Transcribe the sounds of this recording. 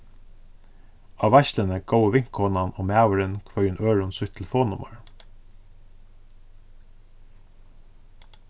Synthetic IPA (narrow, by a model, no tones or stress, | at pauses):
ɑːʋæçlənəɡ̥oʊəʋɪŋkɔnɑnoːmæəɹənkʰʋœʏənʔøːɹʊnsʏt̪ʰl̩foːnʊmə̰ɹ